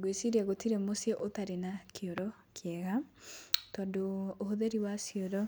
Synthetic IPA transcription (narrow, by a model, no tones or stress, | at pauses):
ɡwesiɾaɣotiɾemosjeʔotaɾenakʰioɾɔ | kʰjɛɣa | tɔndoːhoðeɾiwasjoɾɔ